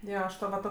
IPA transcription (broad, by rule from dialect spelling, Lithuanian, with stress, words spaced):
ˈjoː ɐʃ ˈtoː ʋɐ ˈtoː